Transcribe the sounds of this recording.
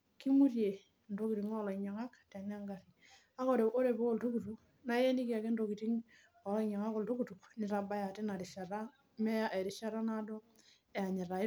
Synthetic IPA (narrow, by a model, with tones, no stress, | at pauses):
ki˦mu˦rje˨ | ndo˦ki˨ɾi˨ŋɔ˦lɔ˨i˨ɲa˨ŋa˦ktɛ˨n˦a˦ŋɡa˨ɾi˨ | a˦ko˦ɾe˨ʔo˦ɾe˨po˦ko˦˨lto˦ku˨tu˦k | na˦jɛ˦ni˦ki˦a˨ke˦ndoki˨ti˦ŋ | ɔ˨lɔ˦i˨ɲa˨ŋa˦ko˨lto˦ku˨tu˨knɪ˨ɾa˨ba˦ja˨ti˦na˨ɾi˨ʃa˨ɾa˦ | mɛ˦ja˦ʔe˨ɾi˨ʃa˦ɾa˦na˦dɔ˦ | e˨a˨ɲɛ˨ɾa˨˦